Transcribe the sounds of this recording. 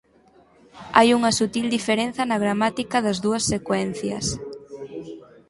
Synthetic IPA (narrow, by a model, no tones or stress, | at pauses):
ajuŋɐsut̪ild̪ifeɾen̟θɐnɐɣɾamat̪ikɐðɐzðuɐsːekwɛn̟θjɐ̰s